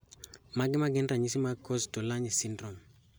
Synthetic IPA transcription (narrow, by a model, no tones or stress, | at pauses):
maɡɪmaɡɪnɾaɲisimakɔstolaɲisindrɔm